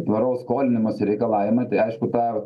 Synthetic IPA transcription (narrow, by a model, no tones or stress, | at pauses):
t̪ʋɐɾoʊsskoːlʲɪnʲɪmoːsɪɾʲɛɪkɐlˠɑːʋʲɪmɐɪt̪ɐɪɐɪʃkʊt̪ɑː